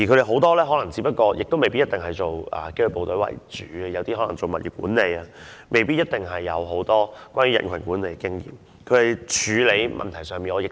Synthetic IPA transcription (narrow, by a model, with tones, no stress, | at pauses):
ji˨˩ɵ˨˧ɾe˨˩ɦo˨˥wt̪ɔː˥lɛː˥ɦɔː˨˥lɐ˨˩ŋt͡si˨˧˥pɐ˥t̚kɔː˧jɪ̰˨k̚t̪o˥wme˨jpi˥jɐ˥t̪ɪ˨ŋɦɐ˨˩jt͡so˨wɐ̰ː˨ke˥jə˧˩po˨wt̪ɵ˨˧˥ɥwɐ̰˨˩jt͡ʃyː˨˥ɐ˧jɐ˨˧wt̪iː˥hɔː˨˥lɐ˨˩ŋt͡so˨wmɐ˨t̚jḭː˨˩k̚ṵː˨˥nle˨˧jɐ˧mʔe˨jpiː˥t̚jɐ˥t̚t̪ɪ˨˩ŋɦɐ˨jːɐ̰˨˧wɦo˨˥wt̪ɔː˥kʷwʷaː˥nɥyː˨˧˥ɐ̰˨˩nkʰɐ˨˩nkuː˨˥ne˨˧jkkɪ˥ŋjḭː˨˩m | kʰɵ˨˧e˨jt͡ʃʰyː˨˧le˨˧jmɐ̰˨nt̪ʰɐ˨˩jsœː˨ŋmiː˨nɔː˨˧jɪ˨˩k